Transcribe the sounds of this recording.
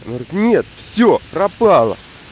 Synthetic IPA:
nɡɾʲɪknʲe̞t̪fsʲopɾɐpɑlˠə̰

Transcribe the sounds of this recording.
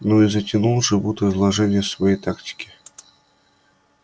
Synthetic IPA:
noizɐtʲinulˠʐɨvut̪ɨzlˠɐʐɛnʲɪjəsvajejt̪aktʲɪ̥kʲɪ̥

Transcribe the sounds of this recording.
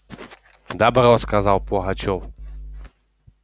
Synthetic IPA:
d̪abɾɔskazawpɔɦat͡ʃɔw

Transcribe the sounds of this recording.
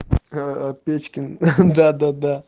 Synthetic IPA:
pet͡ʃkʲind̪ad̪ad̪a

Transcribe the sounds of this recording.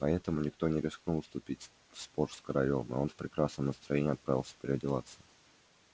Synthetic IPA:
pɐɛt̪əmʊnʲɪkt̪o̞nʲɪɾʲɪsknulˠst̪ʊpʲitʲ | fsporskəɾɐlʲomɨ̰o̞nfpɾʲɪkɾasnəmnəst̪ɾɐjenʲɪɐt̪pɾavʲɪlˠsʲə̥pʲɪɾʲɪɐdʲɪlˠat̪sɨ

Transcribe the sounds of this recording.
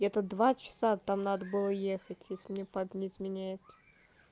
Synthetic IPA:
ɛt̪əd̪vat͡ɕɪ̥sat̪amnad̪əbɨlˠəjexətʲjesʲlʲɪmnʲepapʲnʲɪɪzmʲɪnʲæjɪt̪ə̥

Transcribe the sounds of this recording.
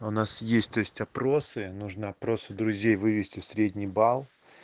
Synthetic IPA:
ʊnasjesʲtʲt̪ojɪsʲtʲɐpɾo̞sɨnuʐnəɐpɾo̞sɨd̪ɾʊzʲejvɨvʲɪsʲtʲɪfsɾʲedʲnʲijbalˠ

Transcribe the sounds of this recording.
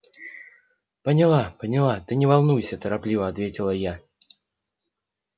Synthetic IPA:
pənʲɪlˠapənʲɪlˠat̪ɨnʲɪvɐlˠnujsʲət̪əɾaplʲivəɐt̪vʲetʲɪlˠəja

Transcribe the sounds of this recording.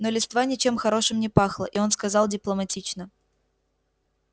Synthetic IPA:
nolʲɪst̪vanʲɪt͡ɕe̞mxɐɾo̞ʂɨmnʲɪpaxlˠəʔɪo̞nskɐzɑlˠdʲɪplˠəmɐtʲit͡ɕnə

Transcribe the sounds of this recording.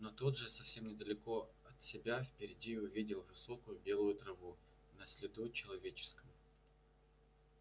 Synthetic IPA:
not̪ud̪ʐɨsɐfsʲe̞mnʲɪd̪əlʲɪko̞ɐt̪sʲɪbʲafpʲɪɾʲɪdʲiʊvʲidʲɪlˠvɨso̞kʊjʊbʲe̞lˠʊjʊt̪ɾɐvu | nəsʲlʲɪd̪ut͡ɕɪlˠɐvʲet͡ɕɪ̥skəm

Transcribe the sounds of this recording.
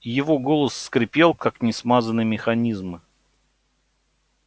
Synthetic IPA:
jɪvo̞ɡo̞lˠəsːkɾʲɪpʲe̞lˠkaknʲɪsmazənɨmʲɪxɐnʲizmɨ

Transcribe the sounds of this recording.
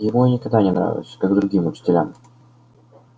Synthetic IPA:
jɪvonʲɪkɐɡ̚d̪anʲɪnɾa̰vʲɪ̰lˠsʲə̥kaɡd̪ɾʊɡʲimʊt͡ɕɪ̥tʲɪlʲa̰m

